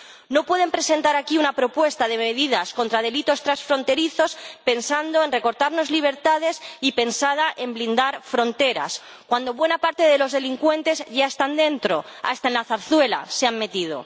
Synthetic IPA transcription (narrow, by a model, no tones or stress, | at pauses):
no̞pwe̞ð̞empɾe̞se̞nt̪aɾakiunapɾo̞pwe̞st̪aðe̞meðiðasko̞nt̪ɾaðe̞lit̪o̞st̪ɾasfɾo̞nt̪e̞ɾiθo̞spe̞nsand̪oe̞nre̞ko̞ɾt̪aɾno̞zliβ̞e̞ɾt̪að̞e̞sipe̞nsað̞aʔemblind̪aɾfɾo̞nt̪e̞ɾa̰s | kwand̪o̞βwe̞napaɾt̪e̞ðe̞lo̞zð̞e̞liŋkwe̞nt̪e̞zʝae̞st̪and̪ẽ̞nt̪ɾo̞ | a̰st̪aenlaθaɾθwe̞la̰seamme̞t̪ið̞o̞̰